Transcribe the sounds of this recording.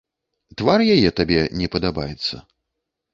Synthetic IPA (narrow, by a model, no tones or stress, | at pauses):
t̪varjajɛt̪abʲɛnʲɛpɐd̪abajɛt̪sːɐ̰